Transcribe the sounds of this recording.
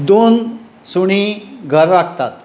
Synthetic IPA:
d̪on | suɽ̃iɡʱəɾːaɡ̚t̪a̰t̪

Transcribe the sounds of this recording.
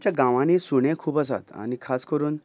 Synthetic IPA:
t͡ɕjaɡãʋãñisuɽ̃ẽkʰuːpəs̬a̰t̪a̰nikʰaskəɾuːn

